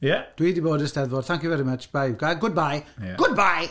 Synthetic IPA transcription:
jɛd̥wiːdiboːdəsdɛðvɔd̥θaŋkjɔvɛɾimət͡ʃb̥ajɡajɡʊd̚bajɡʊd̚baj

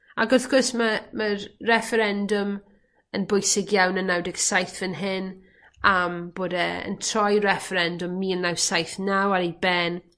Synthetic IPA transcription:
aɡɔθɡ̥ɔsməmərːɛfəɾɛndʊm | ənbʊjsɪɡjawnənawdɪɡ̥sajθvənɦɪn | amb̥oːdəə̰ntʰrɔjrɛfəɾɛndʊmːiːənawsajθnawaɾejbɛn

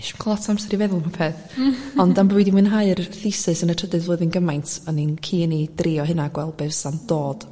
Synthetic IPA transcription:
ʃu̥nkʰɔlˠɔtsamsɛɾivɛðʊlˠmapʰeːθɔndambwɛdimwɨnɦaɨrθɪsɨsənətʰədɨðvoːðənɡəmajntʰəninkʰiːnidriɔɦɨnaɡwɛlˠbɛvsamd̥oːd̥

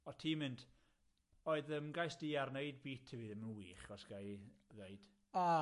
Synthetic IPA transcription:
ɔtʰiːmɨnd | ɔɨðəmɡajsd̥iːarneɨd̚biːtʰɪviːðəmənwiːχɡ̥ɔsɡ̥ajðejd̥ | a

